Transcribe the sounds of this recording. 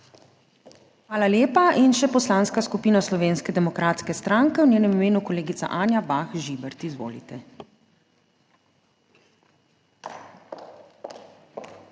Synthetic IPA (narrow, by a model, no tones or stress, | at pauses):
ʋaːlaljeːpaʔinʃɛpɔslanskaskupiːnaslɔʋeːnskɛd̪ɛmɔkɾaːt̪skɛst̪ɾaŋkɛwnʲjeːnɛmimeːnukɔleːɡit̪sa̰ʔaːnjabaxʒibɛɾt̪izʋo̰ːlḭt̪ɛ